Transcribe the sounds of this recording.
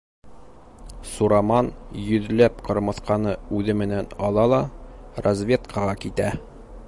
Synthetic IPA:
suɾɑmɑnjɵ̆ðlæpqɤ̆ɾmɤ̆θqɑnɤʉðɘmɘ̆nænɒlˠɑlˠɑrɐzvʲe̞t̪kʰɑʁɑkit̪æ

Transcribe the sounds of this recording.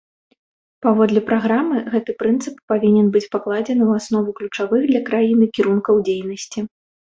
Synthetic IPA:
pavɔd̪lʲɛpɾaɣɾamɨɣɛt̪ɨpɾɨnt̪sɨpːavʲinʲɛnbɨt͡sʲpaklˠad͡zʲɛnɨwasnɔvuklʲut͡ʂavɨɣd̪lʲɐkɾajinɨkʲiɾunkɐwd͡zʲejnɐsʲt͡sʲi

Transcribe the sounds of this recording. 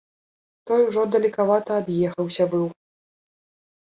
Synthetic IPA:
t̪ɔjuʐɔd̪ɐlʲikavat̪ɐːd̪jɛxɐwsʲɐbɨw

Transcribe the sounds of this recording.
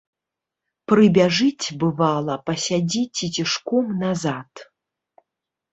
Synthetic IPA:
prɨbʲaʐɨt͡sʲbɨvalˠɐpɐsʲad͡zʲit͡sʲit͡sʲiʂkɔmnazat̪

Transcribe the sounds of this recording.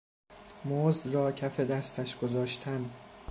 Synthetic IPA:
moːzd̪rɒːcʰæfe̞d̪æst̪ʰæʃɡ̥ozɒːʃt̪ʰæn

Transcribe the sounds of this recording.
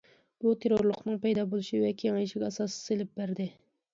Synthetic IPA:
b̥ut̪ʰeɾoɾlˠʊqnɨŋpɛjd̪ɑbolˠuʃiwɛkʲʰeŋɑiʃiɡʲɛsɑsselɪp̚bæɾd̪ɪ

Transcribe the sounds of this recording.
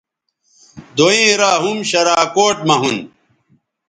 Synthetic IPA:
d̪oĩːɾaːɦumɕɐɾaːkoːʈ̚mɐɦun

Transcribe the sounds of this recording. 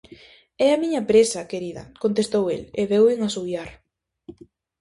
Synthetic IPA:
ɛamiɲɐpɾesɐkeɾiðɐ̰kont̪est̪owḛleβewɪŋasujaɾ

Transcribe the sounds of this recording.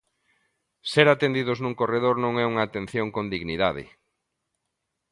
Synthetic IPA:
seɾat̪end̪ið̞ʊznũŋkoreðoɾnõŋɛuŋaːt̪ẽn̟θjoŋkõnd̪iɣniðaðɪ̰

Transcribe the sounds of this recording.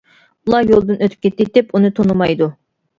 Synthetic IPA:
ulˠɑɾjolˠd̪ɨnøt̪ʰy̥p̚kʲet̪ːɪt̪ɪpunɨt̪ʰonumɑjd̪u

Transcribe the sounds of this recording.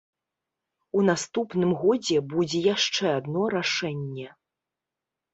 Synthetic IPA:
unast̪upnɨmɣɔd͡zʲɛbud͡zʲɛjaʂt͡ʂɛad̪nɔɾaʂɛnʲːɛ

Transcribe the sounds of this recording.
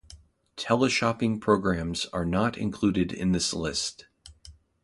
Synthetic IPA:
tʰɛlˠəʃɑpɪ̃ŋpʰɹ̥oʊɡɹæ̃mz̥ə˞nəɾɨ̰̃nkʰl̥ʉɾɨɾɪ̰̃nðɪslɪst̚

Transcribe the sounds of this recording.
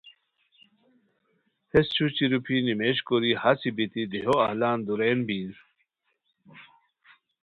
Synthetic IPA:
hest͡ɕʰut͡ɕiɾupʰinimeɕkoɾihasibit̪id̪iɦoɐhlaːnd̪uɾeːnbiːz

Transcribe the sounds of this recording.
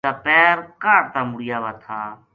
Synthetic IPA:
aːpɛːɾkaːɾt̪aːmʊɽɪjaːʋaːt̪ʰaː

